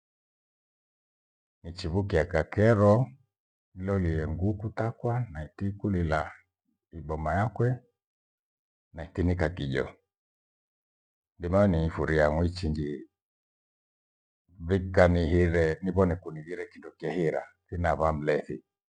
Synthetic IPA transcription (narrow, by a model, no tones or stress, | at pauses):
nit͡ʃiβukiakakɛɾɔ | ilɔliɛŋɡukutakwanaitikulila | iɓɔmajakwɛ | naitinikakiʄɔ̰ | ndimaɛniifuɾiaŋwit͡ʃiɲd͡ʒi | βikanihiɾɛniβɔnɛkuniɣiɾɛkindɔkiɛhiɾa̰kinaβam̩lɛθḭ